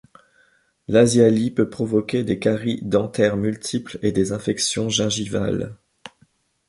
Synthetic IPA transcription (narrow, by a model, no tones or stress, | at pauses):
lazjalipøpχɔvɔkʲed̪ekaʁid̪ɑ̃t̪ɛʁmylt̪ʰipled̪ezɛ̃fɛksjɔ̃ʒɛ̃ʒiva̰l